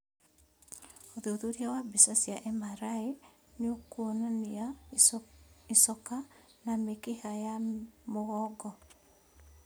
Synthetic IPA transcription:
oðeoðoɾiawabisasjaʔɛmaɾae | neokonania | isɔka | namekehajamoɣɔɡɔ

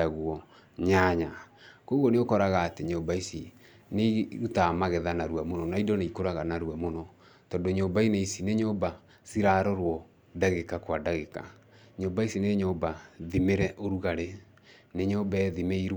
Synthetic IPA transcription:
aɣwɔ | ɲaɲakoɣɔneokɔɾaɣaːteɲombaisi | neɾutamaɣɛðanaɾwamonɔnaidɔneikoɾaɣanaɾuamonɔ | tɔdoɲombaineisineɲoba | siɾaːɾɔɾwɔ | daɣekakwadaɣeka̰ | ɲoːmbaisineɲoːbaðimeɾɛʔoɾuɣaɾe | neɲobaɛðimeiɾ

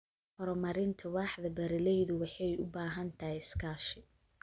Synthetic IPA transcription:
hɔɾɔmɐɾɪnt̪ʰɐwɑːħd̪ɐbɐɾɪlɛjðʊwɑħɑjʔʊbaːɦɐnt̪ʰɐhɛɪskʰaːʃɪ

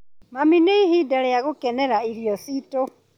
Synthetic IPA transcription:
mamineiɦidaɾɛjaɣokɛnɛɾaiɾjɔsito

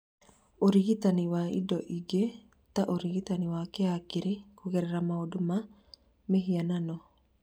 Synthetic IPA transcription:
oɾiɡit̪aniwaḭdɔʔiɡe | t̪aʔoɾiɡit̪aniwakeakɪɾekuɣɛɾɛɾamaoduma | meɦiananɔ

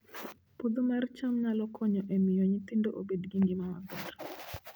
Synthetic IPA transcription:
pod̪omɛrt͡ʃamɲalɔkʰɔɲɔʔemɪjoɲit̪indoʔo̰bedɡiŋɡimama̰ɡɔd

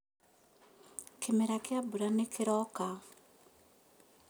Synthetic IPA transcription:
kemeɾakjabuɾanekʰiɾɔka

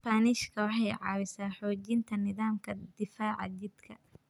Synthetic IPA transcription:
paːnɪʃkʰɐwɑħɑjʕɑ̰ːβɪsaːħɔːt͡ʃɪnt̪ʰɐnɪðaːmkʰɐd̪ɪfaːʕɑ̰d͡ʒɪd̪kʰɐ̰

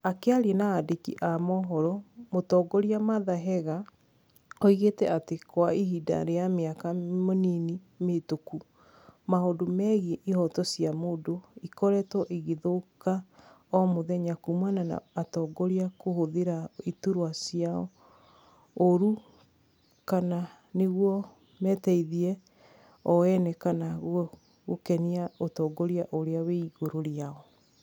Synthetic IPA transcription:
akeaɾienaːdekḭʔamɔɦɔɾɔmotɔːɡɔɾiamaðaɦɛɣa | ɔiɣetɛatekoaiɦida̰ɾeameakamonini | metoku | maɦodomɛɣieʔihɔtɔsjamoːdoikɔɾɛtɔʔiɣeðoka | ɔmoðɛɲakumwanana̰atɔɡɔɾiakohoðeɾaetuɾwasjaɔ̰ | oɾu | kana | neɣwɔ | mɛtɛiðiɛ | ɔwɛnɛkanaɣ | ɣokɛniaotɔɡɔɾiaʔoɾeaweiɣoɾoɾiaɔ

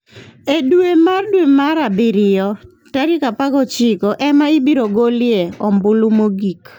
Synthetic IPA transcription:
edwemardwemaɾabɪɾɪjɔ | taɾikapaɡɔt͡ʃɪkɔʔɛmaɪbiɾoɡoljeɔmbʊlumoɡik

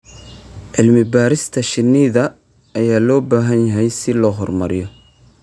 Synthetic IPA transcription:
ʕɪlmɪbaːɾɪst̪ʰɐʃɪnːɪðɐː | jaːlɔːbaːɦɐnjɐɦɛjsɪlɔːɦɔrmɐɾɪjɔ

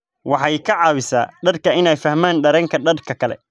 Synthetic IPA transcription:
wɑħɑjkʰɐʕɑːwɪsa̰ːɖ̪ɐd̪kʰɐɪnɛjfɐhmaːnɖɐɾɛŋkʰɐɖɐd̪kʰɐkʰɐlɛ̰

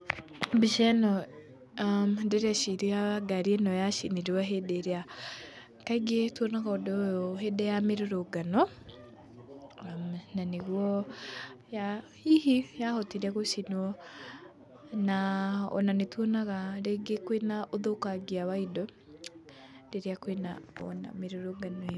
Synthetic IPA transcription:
biʃɛnɔ | mdeɾeaʃiɾiaɡaɾienɔjaʃiniɾewaɦedeɾea | kaiɡetwɔnaɣaɔdɔjɔɦedɛjameɾoɾoɡanɔ | mnaneɣwɔ | ja | ihijahɔtiɾɛɣoʃinuɔ | naɔ̰nanetwɔnaɣaɾeɡekwenaʔoðokaɡiawaidɔ | deɾeakwenaɔ̰na̰meɾoɾoɡanɔ

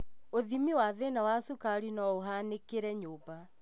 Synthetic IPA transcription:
oðimiwaðɛnawasukaɾinɔoɦanekeɾɛɲoːba

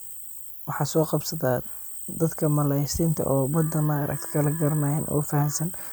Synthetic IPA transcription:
wɑħɑːsɔːqɑbsɐðaː | d̪ɐd̪kʰɐmɐlɛjsɪnt̪ʰɐ̰ʔɔːbɐd̪ɐnaɾʔɐ̰k̚t̪ʰkʰɐlɐɡɐɾɐnajɛnʔɔ̰ːfɐhɐnsɐn

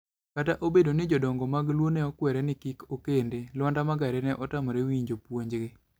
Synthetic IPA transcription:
kataʔobedonɪd͡ʒɔdɔŋɡɔmaɡlwonɛɔkwɛɾɛnɪkikokendelwɔndamaɡaɾɛnɛʔɔtamoɾewiɲd͡ʒopwoɲd͡ʒɡe

